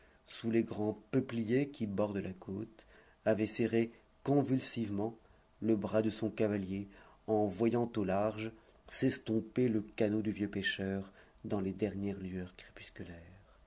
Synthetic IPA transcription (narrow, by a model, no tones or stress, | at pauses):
suleɡʁɑ̃pəplijekʲibɔʁd̪əlakot̪ | avɛseʁe | kɔ̃vylsivmɑ̃ | ləbʁad̪əsɔ̃kavalje | ɑ̃vwajɑ̃t̪olaʁʒ | sɛst̪ɔ̃peləkanod̪yvjøpeʃœʁ | d̪ɑ̃led̪ɛʁnjɛʁlyœʁkχe̥py̥skʲylɛʁ